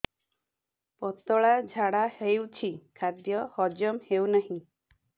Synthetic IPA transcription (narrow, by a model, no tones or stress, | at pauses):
pɔt̪ɔɭad͡ʒʱaɽahejwt͡ʃʰikʰad̪jɔhɔd͡ʒɔmhewnaɦĩ